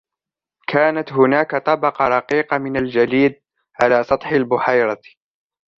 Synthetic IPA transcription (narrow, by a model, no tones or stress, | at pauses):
kʰaːnat̪ɦʊnaːkat̪ˤɑbɑqɑɾˤɑqiːqɑmɪnald͡ʒaliːd̪̚ | ʕalaːsˤɑt̪ˤħalbʊħajɾˤɑ